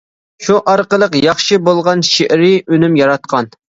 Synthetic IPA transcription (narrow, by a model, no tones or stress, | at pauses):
ʃuʔɑɾqəlˠəqjɑχʃɨbolˠʁɑnʃeʔɾɪynymjɑɾɑt̪̚qʰɑn